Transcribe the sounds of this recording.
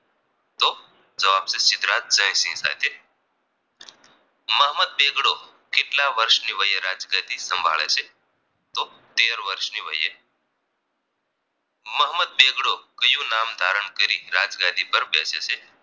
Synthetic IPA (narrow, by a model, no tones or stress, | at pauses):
t̪o | d͡zəʋab̚t͡sesit̪ɾat̪̚d͡zə̃j̃sĩŋsa̰jt̪e | məɦməd̪̚beɡɽo | kiʈlaʋəɾʂniʋəjeɾad͡zɡad̪ʱiːsəmbʱa̰ɭa̰se | t̪o | t̪eɾʋəɾʂniʋə̰jḛ | məɦməd̪̚beɡɽokəjũːnamd̪ʱaɾəɳkəɾḭːɾad͡zɡad̪ʱiːbəɾbɛ̰sḛse